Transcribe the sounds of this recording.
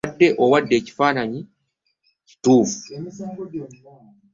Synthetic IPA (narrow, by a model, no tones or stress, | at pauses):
dːeʔowadːeːci̥faːnaɲi | ci̥tuːvu